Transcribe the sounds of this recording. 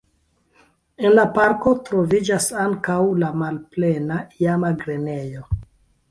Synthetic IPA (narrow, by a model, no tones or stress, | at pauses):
e̞nlapaɾko̞tɾo̞vid͡ʒasaŋkawlamalple̞naijamaɡɾe̞ne̞jo̞